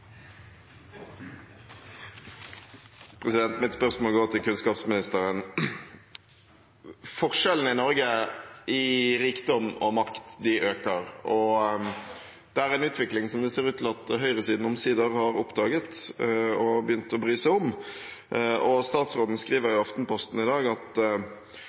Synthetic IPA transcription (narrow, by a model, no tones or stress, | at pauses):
pʰɾɛsɪd̪ɛnt̪mɪt̪spœʁsmoːlɡoːt̪ʰɪlkʉnskɑːpsmɪnɪst̪əɾən | fɔʁʂɛln̩ɪnɔɾɡəɪɾiːkd̪ɔmɔmɑkt̪d̪ɪʔøːkəɾɔ | d̪̥ɛæɾɛnʉːt̪ʰʋɪklɪŋsɔmd̪ɛseːʁʉːt̪ʰɪlɑt̪ɦœʏɾəsiːd̪n̩ɔmsiːd̪əʁhɑɾɔpd̪ɑːɡət̪ɔbəjʏnt̪ɔbɾyːsɛɔm | ɔst̪ɑːt̪sʁoːd̪n̩skɾiːʋəɾjʊɑft̪n̩pɔst̪n̩ɪd̪ɑːɡɑt̪